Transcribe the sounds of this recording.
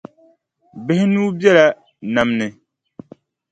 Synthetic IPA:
bɪ˦hɪ˦nuː˦bi˦ɛ˦la˦ | na˨mnɨ˨

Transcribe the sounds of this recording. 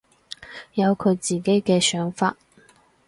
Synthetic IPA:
jɐ˨˧wkʰɵ˨˧ɥt͡siː˨˩ke˨˥jkɛː˧sœː˨˥ŋfaː˧t̚

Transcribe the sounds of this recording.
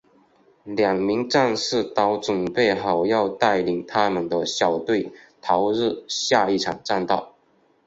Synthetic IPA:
ljɑ˨˩ŋmi˧˥ŋʈ͡ʂa˥˧nʂɻ̩˥˩t̪ɑ˧˥ʊt͡sʊ˨˩npe˥˩ɪxɑ˨˩ʊjɑ˥˧ʊt̪a˥˩ɪli˨˩ŋt̪ʰa˥mə˨nd̪ə˧ɕjɑ˨˩ʊt̪we˥˩ɪt̪ʰɑ˧˥ʊɻɻ̩˥˧ɕja˥˧i˥˩ʈ͡ʂʰɑ˨˩ŋʈ͡ʂa˥˧nt̪ɑ˥˩ʊ

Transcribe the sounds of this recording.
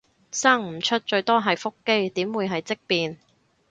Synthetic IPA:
saː˥ŋm̩˨˩t͡ʃʰɵ˥t̚t͡ʃɵ˧ɥt̪ɔː˥ɦɐ˨jfʊ˥kːe˥jt̪iː˨˥mwuː˨˧jɦɐ˨jt͡sɪ˥k̚piː˨n

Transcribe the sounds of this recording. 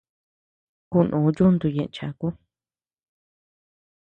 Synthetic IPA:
ku˧nʔũː˨˦d͡ʒu˦nd̪u˧jẽ˨ʔt͡ʃa˨ku˦

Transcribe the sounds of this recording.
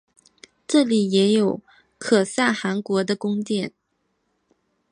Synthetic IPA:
ʈ͡ʂɤ˥˩li˨˩jɛ˧˥jo˨˩ʊ | kʰɤ˨˩sa˥˩xa˧˥nkwɔ˧˥d̪ə˧kʊ˥ŋt̪jɛ˥˩n

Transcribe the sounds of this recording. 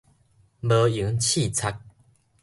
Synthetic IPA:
bə˧˦i˨˦ŋt͡ɕʰi˥˨t͡sʰa˧˦k̚

